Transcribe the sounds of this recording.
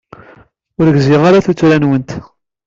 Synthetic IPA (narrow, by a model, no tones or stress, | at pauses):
ʊɾəɡzɪʁaɾaθut͡sːɾænwənt̪